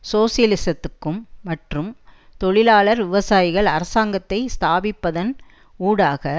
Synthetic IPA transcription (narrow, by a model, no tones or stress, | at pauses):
soːsɪjɐlɪsɐt̪ːɯkːɯmːɐʈrɯmt̪ɔɭɪlaːɭɐɾʋɪʋɐsaːjɪɣɐɭɐɾɐsaːŋɡɐt̪ːɐɪst̪aːbɪpːɐðɐn | uːɽaːɣɐ